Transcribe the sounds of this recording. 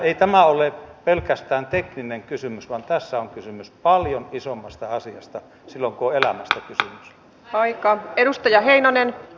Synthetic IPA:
eit̪æmæolepelkæst̪æːnt̪eknineŋkysymysʋɑnt̪æsːæoŋkysymyspɑljonisomːɑst̪ɑɑsiɑst̪ɑ | silːoŋkuoelæmæst̪ækysymys | ɑikɑeɾust̪ɑjɑɦeinɑnen

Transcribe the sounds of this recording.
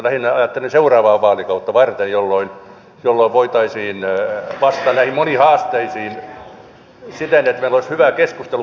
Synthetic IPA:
læhinɑjɑt̪ːeleseurɑːʋɑːʋʋɑːlikɑut̪ːɑʋɑrt̪enjolːoin | jolːoiʋʋoit̪ɑisiːnʋɑst̪ˑɑːllæhimmonihɑːst̪eisiːn | sit̪enet̪meiloishyʋækeskust̪elu

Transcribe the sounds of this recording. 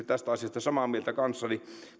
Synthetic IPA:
yt̪t̪æst̪æɑsijɑst̪ɑsɑmɑmielt̪ækɑnsːɑni

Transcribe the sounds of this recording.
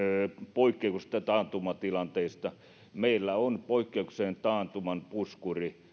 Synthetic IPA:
poikːˑeukst̪ɑt̪ɑːnt̪umɑt̪ilɑnt̪eist̪ɑ | meilːæonpoikːeukseːnt̪ɑːnt̪umɑnpuskuri

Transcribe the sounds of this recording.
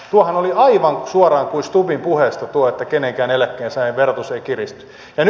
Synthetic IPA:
t̪uɑhɑnoliɑiʋɑŋsuorɑːŋkuinst̪upimpuheˑst̪ɑt̪uoet̪ːækenẽŋkæːnelækːˑeːnsɑiʋert̪useikirist̪y̥ | jɑn

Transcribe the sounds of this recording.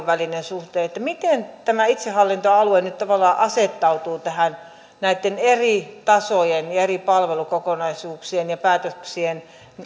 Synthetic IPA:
ʋʋælinensuht̪eːet̪ːæmit̪ent̪æmæit̪sehɑlːint̪oɑluenyt̪t̪ɑʋɑlːˑɑːʔɑset̪ːɑut̪uːt̪æhæn | næit̪ːenerit̪ɑsojenjɑeripɑlʋelukokonɑisuːksienjɑpæːt̪øksien

